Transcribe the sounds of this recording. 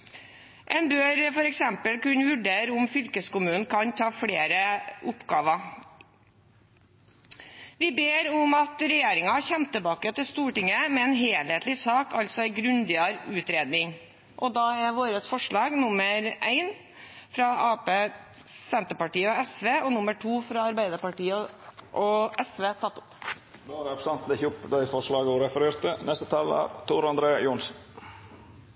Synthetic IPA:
ʔɛnbøːɾfɔɾɛksɛmpəlkʉnʋʉɖeːɾʊmfʏlkəskʊmʉːnn̩kʰɑnt̪ʰɑːfɽeːɾəʔʊpɡɑːʋɑ | ʋɪbeːɾʊmɑt̪ɾɛjeːɾɪŋɑɑçɛmt̪ʰːəlbɑːkət̪ɪlst̪uːʈɪŋːəmɛɛːnɦeːlheːt̪lɪsɑːkʰɑlt̪sɔæɪɡɾʉnd̪ɪɑɾʉːt̪ɾeːd̪nɪŋ | ʔɔd̪ɑːæɾʋoːɾəsfɔʂɭɑːɡnʊməɾʔæɪn | fɾɑɑːpeː | sɛnt̪əpɑʈiːəɔɛsʋeːɔnʊmːəʈʰuːfɾɑɑɾbæɪd̪əpɑʈiːəʔɔʔɛsʋeːt̪ʰɑt̪ːʊ̥p | d̪oːɾpst̪ɑnt̪nɪçʊpd̪æɪfɔʂlɑːɡɔɾɛfəɾeːɾt̪ənɛst̪ət̪ʰɑlə̰ɾt̪ʰuɾɑnd̪ɾeːjʊnsn̩

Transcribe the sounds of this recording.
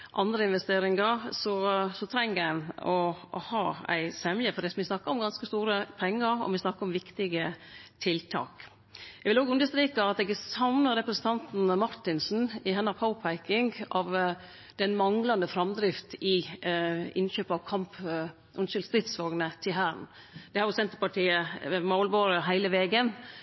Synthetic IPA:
ʔɑnd̪ɾəɪnʋɛst̪eːɾɪŋɑɾsɔsɔt̪ʰɾæŋænɔhɑːæ̰ɪsɛmjəfɔd̪ɛsmʋɪsnɑkːəɾɔmɡɑnskəst̪uːɾəpʰɛŋːəɾɔ̰ʋɪsnɑkːəɾɔmʋɪkt̪ɪɡət̪ʰɪlt̪ʰɑ̰ːk | ɛɡʋɪloːɡʉnd̪əst̪ɾiːkɑɑt̪ɛɡsɑʋnəɾɛpɾəsən̩t̪ʰɑnt̪n̩mɑɾʈ̪ɪnsn̩ɪɦɛnːɑpʰɑʊpʰæɪkɪŋɡɑʋ | d̪ɛnmɑŋlɑnd̪əfɾɑmd̪ɾɪft̪ɪ | ɪ̰nɕøːpɑʋkʰɑmp | ʔʉnɕɪlst̪ɾɪt̪sʋoːɡnət̪ʰɪɦæːɳ | d̪̥ɛhɑɾjʊsɛnt̪əɾpɑʈʰiːəmolboːɾəɦæɪləʋeːɡən

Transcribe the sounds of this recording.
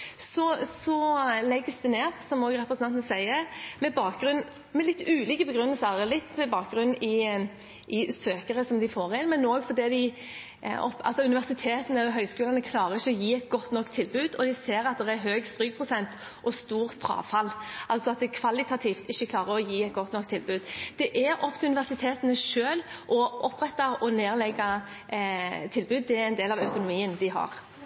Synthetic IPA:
sɔsɔlɛɡːəsd̪ɛneːʁsɔmoːɡɾɛpɾəsənɑnt̪ənəsæɪəmɛbɑːk̚ɡɾʉn | mɛlɪt̪ːʉːliːkəbəɡɾʉnːəlsəɾlɪt̪ːmɛbɑːk̚ɡʁʉnːɪ | ʔɪsøːkəɾəsɔmd̪ɪfoːʁɪnmɛnoːɡfɔd̪ɛd̪ɪ̰ | ɔpːʔɑ̰lsɔʉnɪʋæʁsɪt̪ʰeːt̪ənəɦœʏskʉːlɑnəkʰlɑːɾəɾɪçːəɔjiːɛt̪̚ɡɔt̪ːnɔkːt̪ʰːɪlbʉːd̪ɔd̪ɪseːɾɑt̪̚d̪ɛɾæɦøːɡst̪ɾyːɡ̚pʰɾʊsɛnt̪ | ʔɔst̪uːʁfʰɾɑ̰ːfɑlːʔɑlt̪sɔɑt̪̚d̪ɛkʰʋɑlɪt̪ɑt̪ʰiːft̪ɪçːəkʰlɑːʁəɔjiːæɛt̪̚ɡɔt̪nɔkt̪ʰɪlbʉːd̪d̪̥ɛʔæɾɔp̚ːt̪ɪlʉnɪʋæʁsɪt̪ʰeːt̪ənəʃøːlʔɔʔɔpːɾɛt̪ːɑɔneːʁlɛɡːɑ | t̪ʰɪlbʉːd̪̚ːɛæɾɛɪnd̪eːlɑʋɑʉt̪ʊnʊmiːənd̪ɪɦɑ̰ɾ

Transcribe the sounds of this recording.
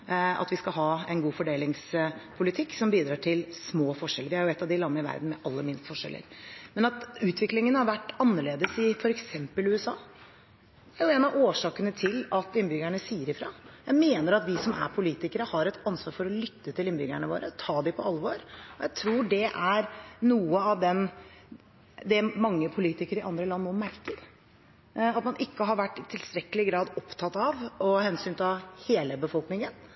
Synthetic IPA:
ɑ̰t̪ʋɪskɑlɦɑːɛnɡuːfɔɖeːlɪŋspʰʊlɪt̪ʰɪkːsɔmbiːd̪ɾɑːʈʰɪlsmoːfɔʂɛləɾʋɪhæɾjʊɛt̪ːɑʋd̪ɪlɑmːəɪʋæ̰ɾd̪n̩mɛʔɑlːəmɪnst̪fɔʂɛ̰lʔə̰ɾmɛnɑt̪ʉːt̪ʋɪklɪŋənhɑɾʋæʈːɑnːəɭeːd̪əsɪfɔɾɛksɛmpəlʉːɛsɑ̰ː | æɾjʊɛːnɑʋoːʂɑːkənət̪ʰɪlɑt̪ɪnːbʏɡæɳəsiːəɾɪfɾɑ̰ːjæɪmeːnəɾɑt̪ʋɪsɔmæ̰ɾpʰʊliːt̪ɪkəɾəhɑɾɛt̪ɑnsʋɑːɾfɔɾɔlʏt̪ːət̪ʰɪlɪnbʏɡæɳəʋo̰ːɾət̪ʰɑːd̪ɪpʰɔɑlːʋoːɾɔjæɪt̪ʰɾuːɖɛʔæɾnuːəɑʋd̪ɛn | d̪ɛmɑŋːəpʰʊliːt̪ɪkəɾɪʔɑnd̪ɾəlɑnːmoːmæɾkəɾ | ɑt̪mɑnʔɪkːəɦɑɾʋæʈːɪt̪ʰɪlst̪ɾɛkːəlɪɡɾɑːd̪ɔpt̪ʰɑt̪ɑʋɔhɛnsyːnt̪ɑheːləbəfɔlknɪŋən

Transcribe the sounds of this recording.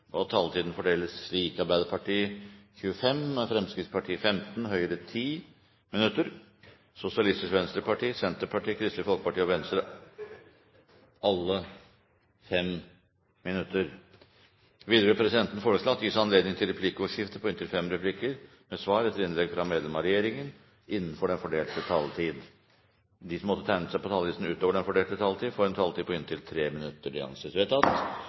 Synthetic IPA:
ʔɔt̪ʰɑlt̪ʰiːd̪n̩fɔɖeːləsːliːkɑɾbæɪd̪əɾpʰɑʈiːəçʉːəfɛmfɾɛmskɾɪt̪spʰɑʈʰiːəfɛmt̪n̩ɦœʏəɾət̪ʰiː | mɪnʉt̪ːəɾ | sʊsɪɑlɪst̪ɪskʋɛnst̪ɾəpʰɑʈiːsɛnt̪əpʰɑʈiːkʰɾɪst̪əfɔlkə̥pɑʈiːɔʋɛnst̪əɾ | ɑlːə | fɛm | mɪnʉt̪ːəɾ | ʋiːd̪əɾʉpʰɾɛsɪd̪ɛnt̪ən̩foːɾəsloːɑt̪ːjɪsɑnleːd̪nɪŋt̪ʰɪlɾɛpʰlɪkːəuʂɪft̪əpʰɔɪnt̪ʰɪlfɛmɾɛpʰlɪkːəɾ | mɛsʋɑːɾɛt̪ːəlɪnlɛɡfɾɑmeːd̪lɛmɑɾɛjeːɾɪŋən | ʔɪnːənfɔɖɛnfɔɖeːlt̪ət̪ʰɑlt̪ʰiːd̪ | d̪ɪsɔmɔt̪ːət̪ʰæɪnəsæɪpɔt̪ʰɑlʋiːsn̩ʉːt̪oːʋəɖɛnfɔɖeːlt̪ət̪ʰɑlt̪ʰiːd̪foːɾɛnt̪ʰɑlt̪iːd̪pʰɔɪnt̪ɪlt̪ʰɾeːmɪnʉt̪ːəɖɪ̰ɑ̰nsɪset̪ʰɑt̪

